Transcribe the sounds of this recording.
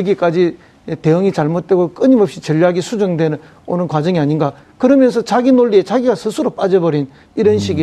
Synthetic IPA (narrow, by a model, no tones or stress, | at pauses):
ɯɡik͈ad͡ʑi | te̞ɯŋit͡ɕaɭmot̚t͈we̞ɡok͈ɯɲimʌpɕ͈it͡ɕʌʎːaɡisʰud͡ʑʌŋdwe̞nɯ | onɯnkwad͡ʑʌŋiaɲinɡa | kɯɾʌmjʌns̬ʰʌt͡ɕaɡinoɭːie̞t͡ɕaɡiɡasʰɯsʰuɾop͈ad͡ʑʌbʌɾin | iɾʌnɕʰiɡi